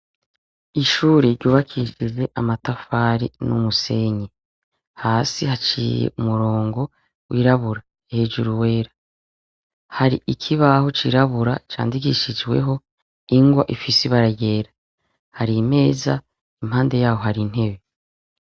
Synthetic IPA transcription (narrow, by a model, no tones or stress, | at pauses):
iʃuːɾeɾɟuːβakʰiʃize̞ʔamatafaːɾinumuse̞ɲe | haːsihat͡ʃḭːjḛʔumuɾo̞ːŋɡo̞ | wiːɾaβuɾa | ehe̞ːd͡ʒuɾuwe̞ːɾḁ | haɾḭʔikʰiβaho̞t͡ʃiɾaβuɾa̰t͡ʃa̰ːndikiʃid͡ʒwe̞̰ɦo̞ | iŋɡwaʔifisiβaɾaɟe̞ːɾḁ | haɾime̞ːza | imhaːnde̞jaːho̞haɾin̥he̞βe̞